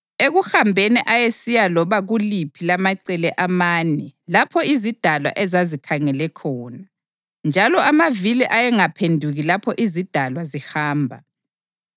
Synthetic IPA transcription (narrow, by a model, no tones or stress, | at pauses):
eɣuxambʱeniʔajesijalɔβaɣulipʰilamaǀɛlɛʔamaːnɛlapʰɔizid̥ʱalwa̰ʔɛzazikʰaŋɛlɛkʰɔːna | nd͡ʒʱalɔamaviliʔajɛŋapʰendʱuɣilapʰɔʔizid̥ʱalwazihaːmbʱa